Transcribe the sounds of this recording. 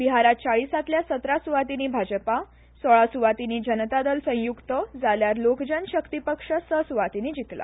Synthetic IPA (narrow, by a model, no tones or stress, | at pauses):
biɦaɾat̪̚t͡saɭisat̪ljasət̪ɾasuʋat̪iniːbʱad͡ʑəpa | sɔɭasuʋat̪iniːd͡ʑənt̪ad̪əlsə̃juɡt̪əd͡zaljaɾlokd͡ʑənɕəkt̪ipəkʂəsəsuʋat̪inid͡ʑit̪la̰